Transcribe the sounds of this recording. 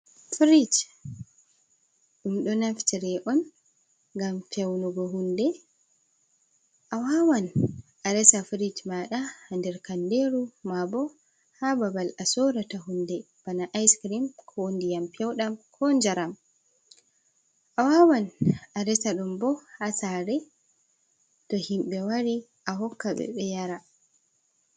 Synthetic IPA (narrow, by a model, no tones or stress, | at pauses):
fɾid͡ʒ | ɗumɗɔnaftiɾɛʔɔn | ŋɡamfɛwnɔɡɔɦundɛ | ʔawawanʔaɾɛsafɾid͡ʒmaɗahandɛɾkandeɾumabɔ | hababalasɔɾataɦundɛ | b̥anaʔajskɾimkʰɔwondijampɛwɗamkʰɔnd͡ʒaɾam | ʔawawanaɾɛsaɗumbɔhasaɾɛ | tɔhimɓɛwaɾi | ʔaɦɔkːaɓɛ̰ɓɛjaɾa